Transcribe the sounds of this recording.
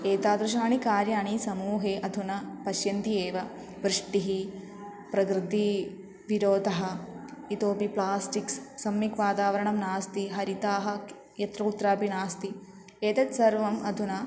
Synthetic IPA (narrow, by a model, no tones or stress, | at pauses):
eːt̪aːd̪ɾɐʃ̬aːɳikaːɾjaːɳisɐmuːɦeːʔɐd̪ʱunɐpɐʃjɐnt̪ieːʋɐ | ʋɾɪʂʈiɦi | pɾɐɡɾɨd̪i | ʋiɾoːd̪ɐɦɐit̪oːpiplaːsʈiksːɐmjikʋaːt̪aːʋɐɾɐɳɐmnaːst̪iɦɐɾit̪aːɦɐ̆ | jɐt̪ɾɐut̪ːɾaːpinaːst̪i | eːt̪ɐt̪sɐɾʋɐmɐd̪ʱunɐ